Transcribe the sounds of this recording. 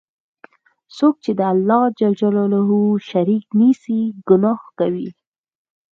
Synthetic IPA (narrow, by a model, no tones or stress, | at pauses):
sok̚t͡ʃed̪əalːɑd͡ʒad͡ʒalɑlaɦuʃaɾiknisiɡʊnɑhkawi